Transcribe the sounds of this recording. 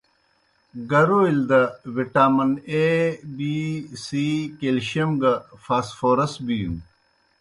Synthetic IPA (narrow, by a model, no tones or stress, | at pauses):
ɡɐɾoild̪ɐwiʈaːmɐnebisikelɕɐmɡɐfaːsfoːɾɐsbijṵ̃